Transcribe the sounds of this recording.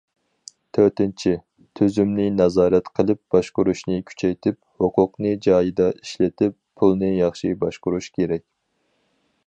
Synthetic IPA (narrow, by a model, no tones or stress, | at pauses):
t̪ʰøɾt̪ɪnt͡ʃʰi | t̪ʰøzymnɪnɑzɑːɾɛt̪qʰəlˠɨp̚b̥ɑʃqʊɾuʃnɨkʲʰy̥t͡ʃʰɛjt̪ʰɪphoqʰʊqnɨd͡ʒɑːjid̪ɑiʃlɪt̪ʰɪpʰːulˠnɨjɑχʃibɑʃqʊɾuʃkʲʰeɾɛkʲ